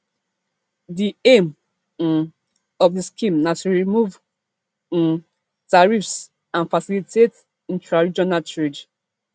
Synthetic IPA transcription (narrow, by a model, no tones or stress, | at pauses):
diẽm | ɔfdiskĩmnatuɹimuṽ | n | taɹifs | ãnfasilitʰet | ĩntɹaɹid͡ʒɔnaltɹed͡ʒ